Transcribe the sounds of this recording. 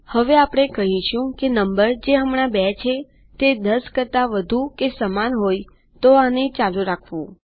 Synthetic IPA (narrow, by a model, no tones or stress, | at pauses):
həʋeapəɽ̃ekəɦĩʃʰũkenəmbəɾd͡ʒeəmɳ̃abɛt͡ʃʰe | t̪ed̪əskət̪aʋəd̪ʱukesəmanɦoj | t̪oanet͡ʃaluɾakʰʋũ